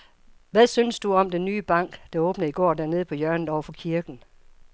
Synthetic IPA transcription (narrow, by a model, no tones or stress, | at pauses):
ʋæðˠsynsd̥uɒ̽md̥enːyːb̥ɑ̈ŋ̰ɡ̥d̥ɑ̈ɔ̽ːb̥nəiɡ̥ɒ̰ːd̥æɐne̝ð̞ˠpʰɒ̽jɶɐnð̩ˠɒʊɐfɒ̽kʰiɐɡ̥n̩